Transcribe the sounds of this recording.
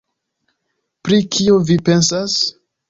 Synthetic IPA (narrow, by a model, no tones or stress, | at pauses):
pɾikʰiovipe̞nsas